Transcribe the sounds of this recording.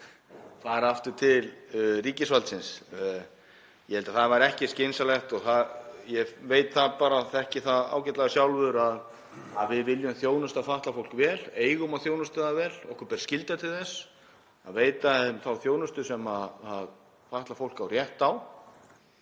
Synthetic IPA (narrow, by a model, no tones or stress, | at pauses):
θaðɛɾaft̪ʏɾt̪ʰɪlriːcɪsvalt̪sɪns | jɛvɛlt̪aθaðvaɾɛhcɪscensalɛxt̪ɔɣθaðjɛveːjt̪θaðpaːɾaθɛhcɪθaða̰ːwcɛt̪laɣasjawlvʏɾað | aðvɪðvɪljʏmθjoːwnʏst̪aðfaht̪lafowl̥kvɛːleːjɣʏmaðθjownʏst̪ʏðavɛːlɔhkʰaɾpɛɾscɪlt̪at̪ʰɪlθɛsː | aðveːjt̪amθawθjoːwnʏst̪ʏsɛmaðað | faht̪lafowl̥kawrjɛht̪aw